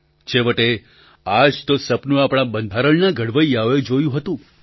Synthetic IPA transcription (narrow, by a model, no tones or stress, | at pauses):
t͡ʃʰeʋəʈe | ad͡ʒt̪osəpnũapɽ̃abənd̪ʱaɾəɭnaɡʱəɽʋəiaʋed͡ʒojũɦət̪ũ